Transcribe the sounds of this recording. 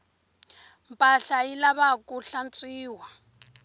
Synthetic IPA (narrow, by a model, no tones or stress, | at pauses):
mpʼaɬailaβakʼuɬant͡sʼiːwa